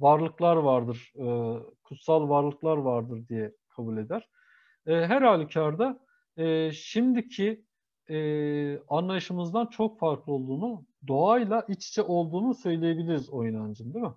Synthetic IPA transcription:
vaɾlˠɯklˠaɾvaɾd̪ɯɾ̥ɯkʰut̪salˠvaɾlˠɯklˠaɾvaɾd̪ɯɾd̪ijɛkʰabulʲe̞d̪æɾ̥ | ɛːɦæɾhalʲicʰaɾd̪a | ɛːʃimd̪icʰi | ɛːanlˠajɯʃɯmɯzd̪ant͡ʃʰo̞kfaɾklˠɯo̞lˠd̪uːnud̪o̞ajlˠaʔit͡ʃt͡ʃʰɛʔo̞lˠd̪uːnusø̞jlʲejebilʲiɾizo̞jnand͡ʒɯnd̪imɪ

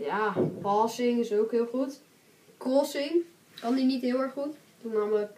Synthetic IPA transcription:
jaːpɑsɪŋɪsowkɦɪːlˠχut | koːsɪŋ | kɑndinitɦɪːlˠɛɹχut | tunɑmək

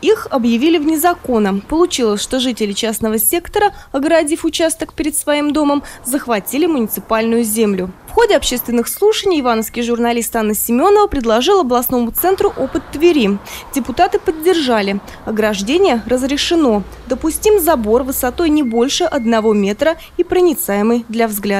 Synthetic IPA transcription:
ixɐbjɪvʲilʲɪvnʲɪzɐko̞nəpəlˠʊt͡ɕilˠəsʲʂt̪o̞ʐɨtʲɪlʲɪt͡ɕasnəvəsʲe̞kt̪əɾəɐɡəɾɐdʲifʊt͡ɕast̪əkpʲɪɾʲɪt̪svɐimd̪o̞məmzəxvɐtʲilʲɪmʊnʲɪt̪sɨpalʲnʊjʊzʲemlʲʊfxo̞dʲɪɐpɕe̞st̪vʲɪnːɨxslˠuʂənʲijɪvanəfskʲɪjʐʊrnɐlʲist̪anːəsʲɪmʲo̞nəvəpɾʲɪd̪lˠɐʐɨlˠɐblˠɐsno̞mʊt̪sɛnt̪ɾʊʔo̞pɨt̪ːvʲɪɾʲidʲɪpʊt̪at̪ɨpədʲːɪrʐalʲɪ | ɐɡɾɐʐdʲenʲɪjərəzɾʲɪʂɨno̞ | d̪əpʊsʲtʲimzɐbo̞rvɨsɐt̪o̞jnʲɪbo̞lʲʂɨʔɐd̪nɐvo̞mʲe̞t̪ɾə | ipɾənʲɪt̪sajɪmɨjd̪lʲɐvzɡlʲad̪ə

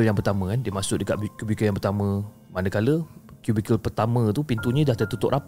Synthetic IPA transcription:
əljaŋpərt̪amə̃kandiəmasʊʔ̚dəka̰ʔbkubikəjaŋpərt̪amə̃ | manəkaləkjubikəlpərt̪amə̃t̪upint̪uɲə̃daht̪ət̪ut̪ʊʔap

